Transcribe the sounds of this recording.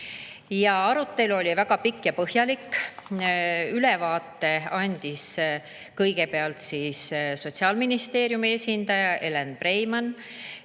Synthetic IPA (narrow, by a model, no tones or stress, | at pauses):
jɑɑɾut̪ːˑe̞luo̞lʲivæɡ̥ɑpikːjɑpɤhjɑlikːˑ | ylevɑːt̪ˑːe̞ɑnʲd̪̥is | kɤjɡ̥e̞pe̞ɑlt̪siːsso̞t̪ʲsiɑːlminist̪e̞ːɾjumiesʲind̪ɑjɑʔe̞lenpre̞jmɑn